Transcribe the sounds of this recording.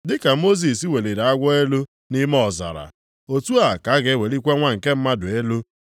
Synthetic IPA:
dɪ˦ka˨mo˦z̬i˨si˦we˨le˨ɾa˨a˦ɡʷɔ˦e˦lo˦ | ni˦m˦ɔ˨za̰˨ɾa̰˨ | o˨tu˦a˨ka˨˦ɡe˦we˨li˦kʷe˦ŋʷa˦ŋ̩˨ke˦m̩˦ma˦dʊ˨e˦lo˦

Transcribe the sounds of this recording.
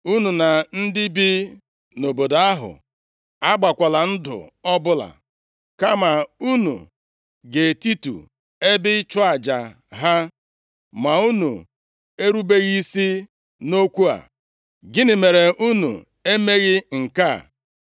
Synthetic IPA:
u˦nu˨na˨n̩˦dɪ˦bi˦ | no˨bo˨da˦ɦʊ̰˨ | a˦ɡ͡ba˨kʷa˨la˨n̩˦dʊ̰˨ɔ˦bʊ˦la̰˨ | ka˦ma˨u˦nṵ˨ | ɡe˨ti˦tṵ˨ | e˦bɪ˦t͡ʃɔ˦a˨d͡ʒa˨ | ɦa˦ | ma˨u˦nṵ˨ | e˦ɾu˦be˦ɣi˦si˦ | no˦kʷu˦a̰˨ | ɡɪ˦nɪ˨me˨ɾe˨ʔu˦nṵ˨ | e˦me˦ɣɪ˦ŋ̩˨ka˦˨

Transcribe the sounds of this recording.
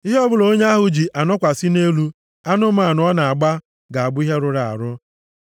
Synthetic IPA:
i˦ɦɔ˦bʊ˦lo˦ɲe˦a˦ɦʊ˨d͡ʒi˨ʔa˨nɔ˦kʷa˨si˦ne˦lu˦ | a˦nʊ˦ma˨nʊ˨˦ɔ˦na˨a˨ɡ͡ba˦ | ɡa˨a˨bʊ˦i˦ɦe˦ɾʊ˦ɾa˨a̰˨ɾʊ˦

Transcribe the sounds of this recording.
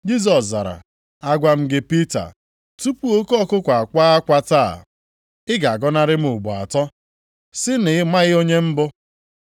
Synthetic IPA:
d͡ʒi˦z̬ɔ˨s̬za̰˨ɾa̰˨ | a˦ɡʷa˨m̩˦ɡɪ˦pi˦ta̰˨ | tu˦pu˦o˦kɔ˦kʊ˦kʷa˨kʷaː˦a˦kʷa˦taː˦˨ | ɪ˦ɡa˨a˨ɡɔ˦na˦ɾɪ˦m̩˦ʊ˨ɡ͡bu˨a̰˨tɔ˦ | sɪ˦nɪ˨˦ma˦ɣɪ˦o˦ɲe˦m̩˦bʊ˦

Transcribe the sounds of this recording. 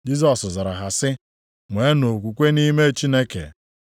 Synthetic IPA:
d͡ʒi˦zɔ˨szɔ˨ɾa˨ɦa˨sɪ˦ | ŋʷe˨˦no˨kʷu˨kʷe˦ni˦me˦˨t͡ʃi˦ne˦kḛ˨

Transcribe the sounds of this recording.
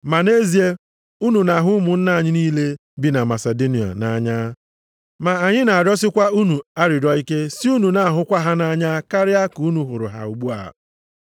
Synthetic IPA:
ma˨ne˦zi˨e˦ | u˦nu˨na˨ɦʊ˦mʊ˨n̩˦na˦a˨ɲɪ˦niː˦le˦ | bi˨na˨ma˨se˨do˦ni˨a̰˨na˨ɲa˦ | ma˨a˨ɲɪ˦na˨a˨ɾɔ˦sɪ˦kʷa˦u˦nu˨a˦ɾɪ˨dɔ˦i˦ke˦si˦u˦nu˨na˦a˨ɦʊ˦kʷa˦ɦa˦na˦ɲa˦ka˦ɾɪ˦a˦ku˨u˦nu˨ɦʊ˨ɾʊ̰˨ɦa̰˨u˨ɡ͡bu˦a̰˨

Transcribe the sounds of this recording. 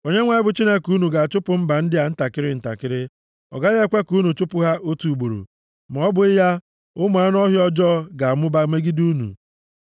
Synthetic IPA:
o˨ɲe˦ŋʷa˦ɪ˦bʊ˨t͡ʃi˦ne˦ku˦nu˨ɡa˨t͡ʃʊ˦pʊ˨m̩˦ba˨n̩˦dɪ˦a˨n̩˦ta˨kɪ˦ɾɪ˦n̩˨ta̰˨kɪ˦ɾɪ˦ | ɔ̰˨ɡa˦ɣe˦kʷe˦ku˦nu˨t͡ʃʊ˦pʊ˦ɦa˦ʔo˦tu˨u˨ɡ͡bo˨ɾo̰˨ | m˨ɔ˨˦bʊ˨ɪ˦ja˦ | ʊ˦m˨a˨˦n˦ɔ˦ɦjɔ˦d͡ʒɔ˦˨ɡa˨a˨mʊ˦ba˦me˦ɡi˦du˦nṵ˨

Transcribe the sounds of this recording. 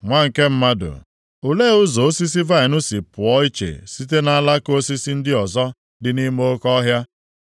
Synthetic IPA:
ŋʷa˦ŋ̩˨ke˦m̩˦ma˦dʊ̰˨ | o˨le˦ʊ˦zo˨o˦si˦s̬i˦va˦ɪ˨nʊ˦si˨pʊ˨ɔ˦i˦t͡ʃḛ˨si˦t̬e˦na˦a˦la˦ko˦si˦si˦n̩˦dɪ˦ɔ˨zɔ˦ | dɪ˨˦ni˦mo˦kɔ˦ɦja˦

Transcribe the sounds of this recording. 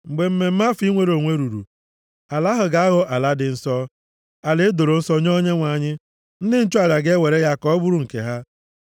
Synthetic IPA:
ŋ͡m̩˨ɡ͡be˨m̩˦me˨m̩˦ma˦fi˦ŋʷe˨ɾo˨ŋʷe˦ɾu˨ɾṵ˨ | a˨la˦ɦʊ˨ɡa˨a˦ɣo˦ʔa˨la˦dɪ˨n̩˨sɔ˦ | a˨le˦e˦do˨ɾo˨n̩˦sɔ˦ɲ˦o˦ɲe˦ŋʷa˨ɲɪ˦ | n̩˦dɪ˦n̩˦t͡ʃu˦a˨ɾa˨ɡe˦we˨ɾe˦ja˦kɔ˦bʊ˦ɾu˦˨ŋ̩˨kḛ˨ɦa˦

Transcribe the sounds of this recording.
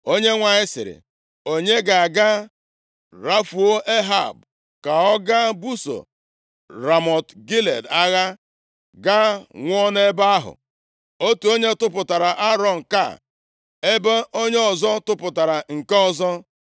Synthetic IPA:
o˦ɲe˦ŋʷa˨ɲɪ˦sɪ̰˨ɾɪ̰˨ | o˦ɲe˦ɡa˨a˨ɡa˦ | ɾa˦fu˨o˦ʔe˦ɦa̰˨b | ka˨ɔ˦ɡa˦bu˦so̰˨ | ɾa˨mɔ˨tɡi˦lḛ˨da˦ɣa˦ | ɡa˦ŋʷɔ˦ne˦ba˦a˦ɦʊ̰˨ | o˦tu˨o˦ɲe˦tʊ˦pʊ˨ta˨ɾa˨ʔa˦ɾɔ˦˨n̩˨ka̰˦˨ | e˦ba˦ʔo˦ɲe˦ɔ˨zɔ˦tʊ˦pʊ˨ta˨ɾa˨ŋ̩˨ke˦ɔ˨zɔ˦

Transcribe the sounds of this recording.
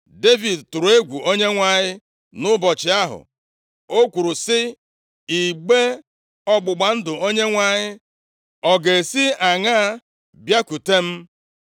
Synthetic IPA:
de˦vi˨dtʊ˨ɾʊ˨e˦ɡʷu˨o˦ɲe˦ŋʷa˦ɲɪ˦ | nʊ˦bɔ˨t͡ʃɪ˨a˦ɦʊ̰˨ | o˦kʷu˨ɾʊ˨sɪ˦ | i˨ɡ͡be˦ | ɔ˦ɡ͡bʊ˨ɡ͡ba˨n̩˦dʊ˨o˦ɲe˦ŋʷa˦ɲɪ˦ | ɔ˨ɡe˨si˦a˨ŋa˦a˦ | bja˦ku˨te˦m̩˦

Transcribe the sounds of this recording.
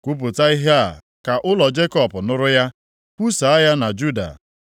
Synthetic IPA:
kʷu˦p̬ʊ˨ta˦i˦ɦe˦a˨ | ka˨ʔʊ˦lɔ˨d͡ʒe˦kɔ˦pʊ˨nʊ˦ɾʊ˦ja˦ | kʷu˦sa˨a˦ja˦na˨d͡ʒu˦da̰˨

